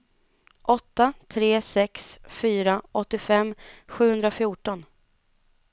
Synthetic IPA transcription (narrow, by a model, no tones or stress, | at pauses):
ʔɔt̪ːat̪ʰɾeːsɛksfyːɾaʔɔt̪ːɪfɛmːɧʉ̟ːhɵnd̪ɾafjuːʈɔn